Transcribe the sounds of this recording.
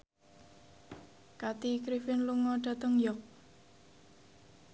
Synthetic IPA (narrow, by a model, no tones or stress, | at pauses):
kat̪ikɾifɪnluŋɔɖ̥a̤t̪əŋjɔk̚